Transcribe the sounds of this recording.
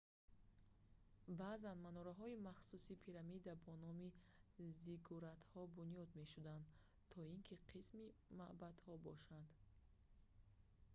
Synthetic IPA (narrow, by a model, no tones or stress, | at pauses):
bazanmanɔɾaɦɔimaχsusipʰiɾamid̪abɔnɔmiziɡʰɔɾat̪hɔbunijɔd̪me̞ʃud̪and̪ | t̪ʰɔiŋkʰiqʰismimaʔbad̪hɔbɔʃand̪